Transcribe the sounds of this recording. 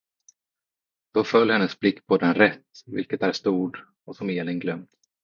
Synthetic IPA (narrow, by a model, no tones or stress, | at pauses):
d̪̥ɔfœlːhɛnːəsblɪkːpʰɔd̪ɛnɾɛt̪ːvɪ̰lkət̪æɾʂt̪uːɖ | ɔsɔmeːlənɡlœmt̪